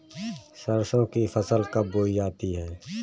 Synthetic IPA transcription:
səɾsõkifɐsəlkɐboːid͡ʒaːt̪iɦɛː

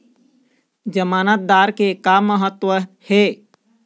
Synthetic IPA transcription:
d͡ʒəmaːnət̪̚d̪aːɾkekamːəɦət̪wəhe

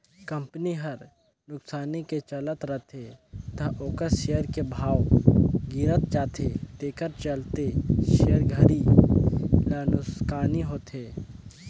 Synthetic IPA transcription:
kə̃mpniɦəɾ | nʊksaːniket͡ʃələt̪ɾət̪ʰet̪ɐʔoːkəsʃejəɾkebʱaːwɡɪɾət̪̚t͡ʃaːt̪ʰet̪eːkəɾt͡ʃəlt̪eʃejəɾɡʱəɾi | lənʊskaːniɦoːt̪ʰeː

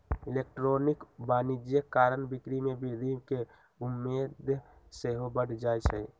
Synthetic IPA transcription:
ilek̚ʈɾonikbanid͡ʒjəkːaɾənbikɾimebʱiɾimke | umːed̪ʱseɦobəɽd͡ʒajt͡ʃʰɛ

